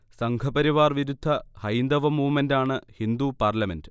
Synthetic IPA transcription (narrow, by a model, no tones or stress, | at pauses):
sɐŋɡʰʱɐbɐɾiʋaːrʋiɾud̪ʱːɐhɐjnd̪ɐʋɐmuːmɐndaːɳɨhind̪upaːrlɐmendɨ